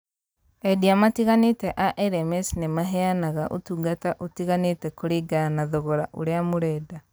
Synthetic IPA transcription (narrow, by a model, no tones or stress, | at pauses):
ɛdiamatiɣanetɛʔaʔɛɾɛmɛsnemaɦɛanaɣaʔo̰tuɡataʔotiɣanetɛkoɾiɡanaðoɣɔɾaʔo̰ɾeamoɾɛːda